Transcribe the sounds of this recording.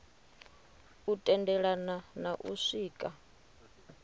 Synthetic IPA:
utʼɛndɛɺananaʔṵʂiːkʼa

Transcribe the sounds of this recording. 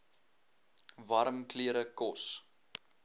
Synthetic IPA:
vɐɾəmkliəɾəkɔs

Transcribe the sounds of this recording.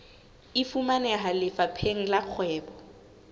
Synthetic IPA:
ɪfumanɛɦalɪfapʰeŋ̩laq͡χʰwɛːbɔ

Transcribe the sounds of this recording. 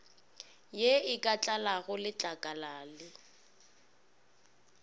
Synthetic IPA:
jeɪkʼat͡ɬʼalaɣʊlɪt͡ɬʼakʼalaːlɪ

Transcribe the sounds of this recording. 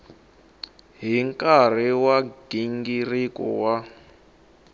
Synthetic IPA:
ɦiŋkʼar̤iwaɡ̥iŋɡirikɔ̰wa

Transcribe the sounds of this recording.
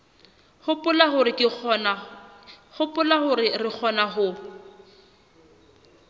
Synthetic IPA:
hʊpʊlaɦʊɾɪkʼɪn | hʊpʼʊlahʊɾɪrɪk͡xʰɔnaɦʊ

